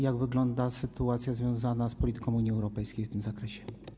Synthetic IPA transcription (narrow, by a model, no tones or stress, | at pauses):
jaɡvɘɡlɔnd̪asɘt̪uat̪sʲjazvʲjɔ̃w̃zanaspɔlʲit̪ɘ̥kɔ̃w̃uɲiɛwɾɔpɛjskʲejft̪ɘmzakɾɛɕɛ̥